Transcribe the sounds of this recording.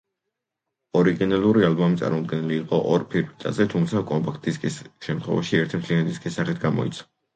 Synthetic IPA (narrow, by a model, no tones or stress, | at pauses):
ɔɾiɡinalˠuɾialˠbɔmit̪sʼa̰ɾmɔd̪̚ɡɛnɛliːqʼɔʔɔɾpʰiɾbit̪ʼa̰zɛt̪ʰumt̪sʰakʼɔmpʰʼakʰt̪ʰʼiskʼisʃɛmt̪ʰχɔ̰vaʃiɛɾt̪ʰmt̪ʰliand̪iskʼisːaχɛt̪̚ʰɡamɔ̰ḭt̪sʰɔ̥